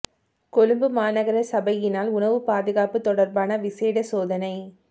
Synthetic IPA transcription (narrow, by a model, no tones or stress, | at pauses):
kɔlɯmbɯmaːnɐɣɐɾɐsɐbɐjɪnaːlʊnɐʋɯpaːðɪɣaːpɯt̪ːɔɽɐɾbaːnɐʋɪseːɽɐsoːðɐnɐɪ